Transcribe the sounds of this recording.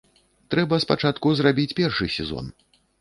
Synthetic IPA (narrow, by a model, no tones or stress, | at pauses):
t̪ɾɛbɐspat͡ʂat̪kuzrabʲit͡sʲpʲɛrʂɨsʲɛ̰zɔ̰n